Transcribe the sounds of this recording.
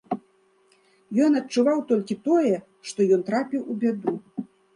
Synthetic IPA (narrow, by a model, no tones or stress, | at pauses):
jɔnɐtt͡ʂuvawt̪ɔlʲkʲit̪ɔjɛ | ʂt̪ɔjɔnt̪ɾapʲiwubʲad̪u